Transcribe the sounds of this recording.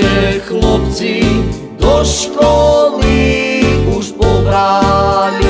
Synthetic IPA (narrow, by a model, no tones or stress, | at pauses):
ɛxlˠɔp̪̚si | d̪ɔʃkɔli | uʃpɔɡɾan